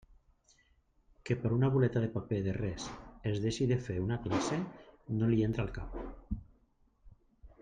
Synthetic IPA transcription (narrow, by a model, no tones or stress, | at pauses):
kepeɾunaβulet̪aðepapeðerɛsezðeʃiðefeunaklasenolient̪ɾalˠkap̚